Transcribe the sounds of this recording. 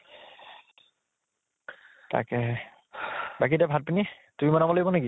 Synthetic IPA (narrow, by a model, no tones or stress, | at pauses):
ta̰kɛ | bak̬idɛbʱat̚pini | tumimɔnamɔloibɔnaki